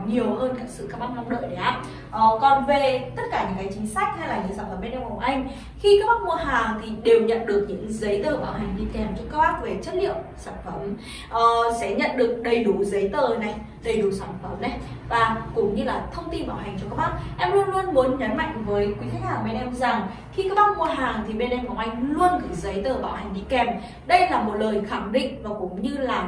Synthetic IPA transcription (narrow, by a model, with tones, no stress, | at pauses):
ɲi˨˩əwhəː˧nkaː˦˥k̚sɨ̰˧˨kaː˦˥k̚ɓaː˦˥t̚na˧ŋ͡mɗə̰ː˧˨ɗe˨˩ʔaː˦˥p̚ | ʔəː˨˩kɔ˨˩nve˨˩t̪ə˦˥t̚kaː˧˩ɲɨ̰˧˥ŋkaː˨˦jt͡ɕï˨˦ŋ̟sa˦˥jk̟̚ha˧jlaː˨˩ɲɨ̰˧˥ŋsaː˧˩mfəː˧˦mɓe˧nʔɛ˧mku˧˩ŋ͡mʔa˧jŋ̟ | xi˧kaː˦˥k̚ɓaː˦˥t̚mu˧əɦaː˨˩t̪ʰi˨˩ɗe˨˩wɲə̰˧˨nɗɨ˨˩ək̚ɲɨ̰˧˥ŋzə˨˦jt̪əː˨˩ɓaː˧˩wɦa˨˩jŋ̟ɲḭ˧˥t̪ʰi˨˩˨haː˨˩t͡ɕɔ˧kəː˦˥k̚haː˦˥k̚ve˨˩t͡ɕə˦˥t̚lḭ˧˨əwmsaː˧˩nfə˧˩m | ʔəː˨˩sɛ̰˧˥ɲə̰˧˨nɗɨ˨˩ək̚ɗə˧˩jɗu˧˩zə˨˦jt̪əː˨˩na˨˩j | ɗə˧jɗu˨˩saː˧˩nfə˨˦mna˨˧˦jvaː˨˩kʊ̰˧˥ŋ͡mɲɨ˧laː˨˩t̪ʰə˧wŋ͡mt̪i˧nɓaː˧˩wɦa˨˩ŋ̟t͡ɕɔ˧kaː˦˥k̚ɓaː˦˥k̚ʔɛ˧mlu˧ənlu˧ənmu˨˦nɲə˨˦nma̰˧˨jŋ̟vəː˨˦jkwi˨˦xa˦˥k̚haː˨˩ŋm˧nʔɛ˧mza˨˩ŋ | xi˧kaː˦˥k̚ɓaː˦˥k̚mo˧ət̚ɦaː˨˩ŋt̪ʰi˨˩ɓe˧nʔɛ˧mkɔ˨˩ŋ͡mʔa˧jŋ̟lu˧ənkɨ˨˧˩zə˨˦jt̪əː˨˩ɓaː˧˩wha˨˩jŋ̟ɗḭ˧kɛ˧˩m | ɗə˧jlaː˨˩mo˨˩t̚ləː˨˩jxa˧˩ŋɗḭ˧˨ŋ̟vaː˨˩kʊ̰˧˥ŋ͡mɲɨ˧laː˨˩